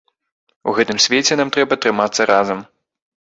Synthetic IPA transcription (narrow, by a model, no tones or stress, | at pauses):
uɣɛt̪ɨmsʲvʲet͡sʲɛnamt̪ɾɛbɐt̪ɾɨmat̪sːɐɾʔazɐm